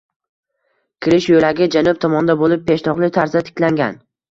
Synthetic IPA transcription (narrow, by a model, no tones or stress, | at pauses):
kʲʰɪɾɪʃjolaɡʲɪd͡ʒanʊp̚t̪ʰɒmɒnd̪abolɪp̚pʰːe̞ʃt̪ʰɒqlˠɪt̪ʰaɾzat̪ʰɪ̥kʲlaŋɡʲan